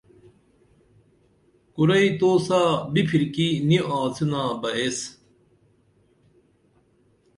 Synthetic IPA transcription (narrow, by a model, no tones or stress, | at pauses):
kuɾɐit̪oːsaːbipʰiɾkiniʔãːt͡sinaːbɐes